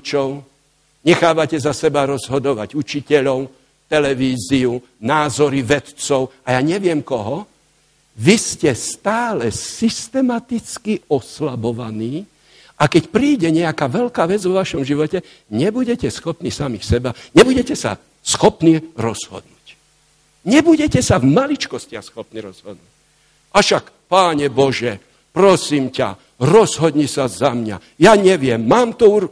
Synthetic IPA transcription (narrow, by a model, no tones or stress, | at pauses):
t͡ʃɔʊ | ɲɛxaːʋacɛzasɛbaɾɔzɦɔd̪ɔʋaɟut͡ʃicɛʎɔʊ | t̪ɛlɛʋiːziu | naːzɔɾiʋɛt̪t͡sɔʊajaːɲɛʋɪɛmkɔɦɔ | ʋiscɛst̪aːlɛsist̪ɛmat̪it͡skiɔslabɔʋaniː | ʔakɛcpɾiːɟɛɲɛakaːʋɛʎkaːʋɛd͡zʋɔʋaʃɔmʒiʋɔcɛ | ɲɛbuɟɛcɛsxɔpnisamisɛbaɲɛbuɟɛcɛsa̰ | sxɔpniɾɔz̥hɔ̰d̪̚nuːc | ɲɛbuɟɛcɛsavmalit͡ʃkɔscɪaxsxɔpniɾɔz̥ɦɔ̰d̪nuc̚ | aʃak | paːɲɛbɔʒɛ | pɾɔsiːmca̰ | ɾɔzɦɔd̪ɲisazamɲa̰ | jaɲɛʋɪɛmːaːmt̪ɔuɾ